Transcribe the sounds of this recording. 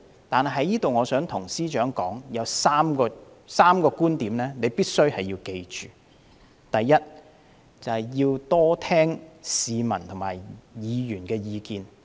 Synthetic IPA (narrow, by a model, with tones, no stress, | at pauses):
t̪aː˨nhɐ˨ɦɐ˨˥jiː˥t̪o˨wŋɔː˨˧sœː˨˥ŋt̪ʰʊ˨˩ŋsiː˥t͡ʃœː˨˥ŋkɔː˨˥ŋjɐ˨˧wsaː˥mkɔː˧ | saː˥mkɔː˧kuː˥nt̪iː˨˥mlɛː˥ne˨˧jpiː˥t̚sɵ˥ɥhɐ˨jːiː˧wke˧jt͡ʃyː˨ | t̪ɐ˨jːɐ˥t̚ | t͡sɐ˨hɐ˨jjiː˧wt̪ɔː˥t̪ʰɛː˥ŋsiː˨˧mɐ˨˩nt̪ʰʊ˨˩ŋmaː˨˩jjiː˨˧jyː˨˩nkɛː˧jiː˨˧kiː˧n